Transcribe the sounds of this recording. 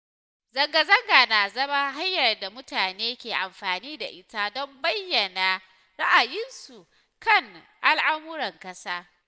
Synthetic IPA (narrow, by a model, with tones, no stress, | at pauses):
zɐ˨ŋɡa˨zɐ˦ŋɡa˨na˨zɐ˦ma˦ɦa˦jːɐ˨rda˨mʊ˦taː˨neː˦kʲeː˨ʔa˨mɸaː˨niː˦da̰˨ʔɪ˦ta˦dɔ˦mbɐ˦jːɐ˨na˨ | ɾa˦ʔa˨jɪ˦nsu˨ | kɐ˦˨ŋ | ʔa˦lʔa˦mʊ˦ɾɐ˨ŋkɐ˦saː˦